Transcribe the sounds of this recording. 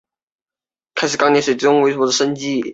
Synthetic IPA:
kʰa˥ɪʂɻ̩˨˩kɑ˥ŋni˧˥˩swe˨˩t͡s̩˥˩ʊ˥ŋwe˧˥ɪ˩wɔ˧˥d̪ə˧ʂə˥nt͡ɕi˥˩

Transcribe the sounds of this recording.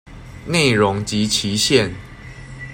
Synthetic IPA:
ne˥˨ɪɻo˦ŋt͡ɕi˨˦t͡ɕʰi˨˦ɕjɛ˥˨n

